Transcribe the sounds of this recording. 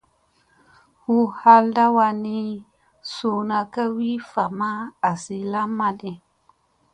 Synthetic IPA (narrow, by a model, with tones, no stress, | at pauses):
hu˦ha˧lda˦wa˧ni˧ | su˧na˧ka˦wi˦fa˨ma˦a˨si˧la˦mːa˦ɗi˨